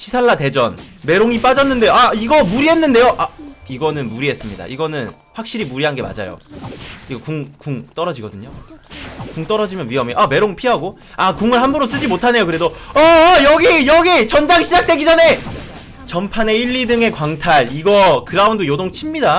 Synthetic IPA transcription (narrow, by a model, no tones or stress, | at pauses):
ɕʰisʰaɭːate̞d͡ʑʌ̰nme̞ɾoŋip͈ad͡ʑʌnːɯnde̞joaiɡʌmuɾiɦe̞nːɯnde̞joʔaiɡʌnɯnmuɾiɦe̞s͈ɯmɲida̰ʔiɡʌnɯn | ɸwak̚ɕ͈iɾimuɾiɦanɡe̞ma̰d͡ʑa̰jo̰iɡʌkuŋkuŋt͈ʌɾʌd͡ʑiɡʌdɯɲo | kuŋt͈ʌɾʌd͡ʑimjʌnɥiɦʌmeʔame̞ɾoŋpʰiɦaɡo | akuŋɯɭhambuɾos̬͈ɯd͡ʑimotʰane̞jokɯɾe̞doʌjʌɡijʌɡit͡ɕʌnd͡ʑaŋɕʰid͡ʑak̚t͈we̞ɡid͡ʑʌne̞ | t͡ɕʌmpʰane̞iʎːidɯŋe̞kwaŋtʰaɾiɡʌkɯɾaundojodoŋt͡ɕʰimɲida